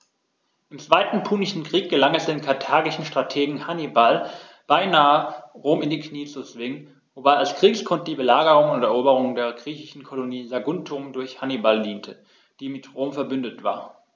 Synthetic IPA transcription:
ʔɪmt͡sv̥aɪtn̩pʰuːnɪʃn̩kʁ̥iːk̚ɡ̥əlaŋɛsd̥eːnkʰaɐtʰaːɡɪʃn̩ʃtʁ̥atʰeːɡŋ̩hanibal | b̥aɪnaːəʁoːmɪndiːkʰniːət͡sut͡sv̥ɪŋən | vobaɪalskʁ̥iːkskʰɔntəd̥iːbəlaːɡəʁʊŋənʊntɛɐʔoːbəʁʊŋdeːɐɡʁiːçɪʃn̩kʰɔloniːzaɡʊntʰʊmdʊɐçhanibaldiːntʰə | d̥iːmɪtʁoːmfɛɐbʏndətv̥a̰ːɐ

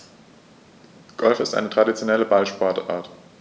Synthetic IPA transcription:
ɡ̥ɔlfɪstʔa̰ɪnətʁ̥adit͡sjonɛləbalʃpɔɐta̰ːɐt

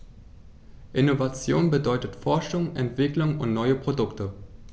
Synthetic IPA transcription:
ʔɪnovat͡sjoːnbədɔʏtətfɔɐʃʊŋʔɛntv̥ɪklʊŋʊntnɔʏəpʁ̥odʊktə

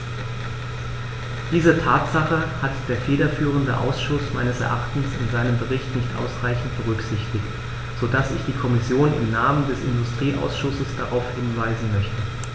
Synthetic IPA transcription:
d̥iːzətʰaːtz̥aχəhatd̥eːɐfeːɾɐfyːʁ̞əndəʔa̰ʊsʃʊsma̰ɪnəsɛ̰ɐʔaχtn̩sɪnzaɪnəmbəʁɪçtnɪçtʔa̰ʊsʁaɪçn̩t̚b̥əʁ̞ʏkz̥ɪçtɪçt | z̥odasɪ̰çd̥iːkʰɔmɪsjoːnɪ̰mnaːməndɛsɪ̰ndʊstʁ̥iːʔa̰ʊsʃʊsəsd̥aʁaʊfhɪnvaɪzn̩mœçtə

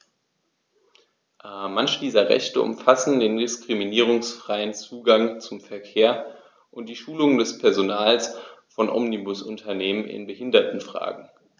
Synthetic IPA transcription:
ʔmançəd̥iːzɐʁɛ̰çtəʔʊ̰mfasn̩deːndɪskʁ̥iminiːʁ̞ʊŋsfʁ̥aɪənt͡suːɡaŋt͡sʊmfɛɐkʰeːɐ | ʔʊnt̚d̥iːʃuːlʊŋəndɛspʰɛɐzonaːlsfɔnʔɔ̰mnibʊsʊntʰɐneːmənɪ̰nbəhɪndɐtn̩fʁ̥a̰ːɡŋ̩

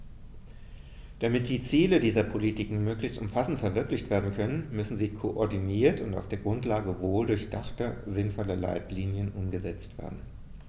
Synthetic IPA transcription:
d̥amɪt̚d̥iːt͡siːlədiːzɐpʰolitikŋ̩møːklɪçstʔʊmfasn̩tfɛɐvɪɐklɪçtv̥eːɐdn̩kʰœnənmʏsn̩ziːkʰoʔɔɐdiniːɐtʊnta̰ʊfd̥eːɐɡʁʊntlaːɡəvoːldʊɐçd̥a̰χtɐzɪnfɔlɐla̰ɪtliːnjənʔʊmɡəzɛt͡stv̥ḛːɐdn̩

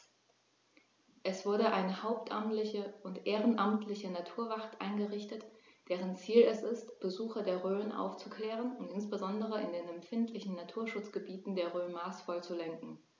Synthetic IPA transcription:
ʔɛsv̥ʊɐɾəʔaɪnəhaʊp̚tʔa̰mtlɪçəʊntʔeːʁənʔamtʰlɪçənatʰuːɐvaχtʔa̰ɪnɡəʁɪçtətd̥eːʁ̞ənt͡siːlɛsɪstb̥əzuːxɐdeːɐʁøːənʔa̰ʊft͡sukʰlɛːʁənʊntɪnsb̥əzɔndəʁəɪndeːnɛmfɪntʰlɪçn̩natʰuːɐʃʊt͡sɡ̥əbiːtn̩deːɐʁøːnmaːsfɔlt͡sulɛŋkŋ̩

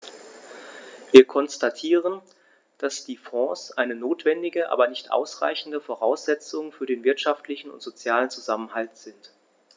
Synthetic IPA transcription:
viːɐkʰɔnstatʰiːʁən | d̥asd̥iːfɔ̃ːsʔaɪnənoːtv̥ɛndɪɡəʔa̰ːbɐnɪçtʔa̰ʊsʁ̥a̰ɪçn̩dəfoʁaʊsz̥ɛt͡sʊŋfyːɐdeːnvɪɐtʃaftʰlɪçn̩ʊ̰ntz̥ot͡sjaːlənt͡suzamənhaltz̥ɪnt

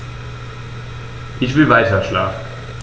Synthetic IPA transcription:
ʔɪçv̥ɪlvaɪtɐʃla̰ːfn̩

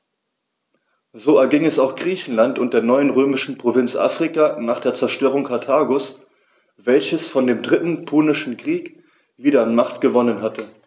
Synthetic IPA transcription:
zoːɛɐɡɪŋɛsaʊxɡ̥ʁiːçn̩lantʊnt̚d̥eːɐnɔʏənʁøːmɪʃn̩pʁ̥ovɪnt͡sʔa̰ːfʁ̥ikanaːχd̥eːɐt͡sɛɐʃtøːʁʊŋkʰaɐtʰaːɡos | v̥ɛlçəsfɔndeːmdʁɪtn̩pʰoːnɪʃn̩kʁ̥iːk | viːdɐanmaχtɡ̥əvɔnənɦatə

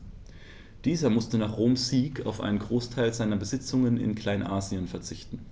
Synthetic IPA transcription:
d̥iːzɐmʊstənaːχʁ̥oːmsz̥iːkʰa̰ʊfʔa̰ɪnənɡʁoːstʰaɪlzaɪnɐbəzɪt͡sʊŋənɪ̰nkʰl̥aɪnʔaːzjənfɛɐt͡sɪçtn̩

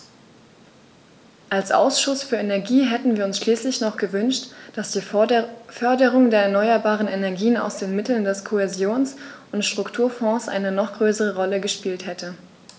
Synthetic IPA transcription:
ʔalsʔa̰ʊsʃʊsfyːɐʔenɛɐɡiːɦɛtn̩viːɐʊnsʃliːslɪçnɔχɡ̥əvʏnʃtd̥asd̥iːfœɐdəʁ̞ʊŋdeːɐɛɐnɔʏɐbaːʁənɛnɛɐɡiːəna̰ʊsd̥eːnmɪtl̩ndɛskʰoɛzjoːnsʔʊntʃtʁ̥ʊktʰuːɐfɔ̃sʔa̰ɪnənɔχɡ̥ʁøːsəʁ̞əʁɔləɡəʃpiːlthɛtə

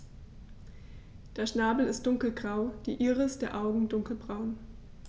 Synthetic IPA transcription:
d̥eːɐʃnaːbl̩ɪst̚d̥ʊŋkl̩ɡʁaʊd̥ḭːʔɪʁəsd̥eːɐʔaʊɡŋ̩dʊŋkl̩bʁaʊn

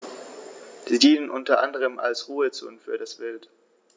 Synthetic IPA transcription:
z̥iːdiːnənʔʊntɐʔa̰ndəʁ̞əma̰lsʁuːət͡so̰ːnfyːɐdasb̥ɪlt

